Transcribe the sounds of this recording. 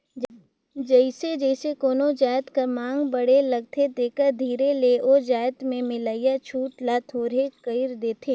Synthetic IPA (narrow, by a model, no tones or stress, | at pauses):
d͡ʒəɪsed͡ʒəɪsekoːnod͡ʒaːjt̪kɐmãːŋɡbəɽelɐɡ̚t̪ʰet̪eːkəɾd̪ʱiːɾeleʔoːd͡ʒaːjət̪mẽmɪləɪjat͡ʃʰuːʈlat̪ʰoːɾekəɪɾd̪eːt̪ʰeː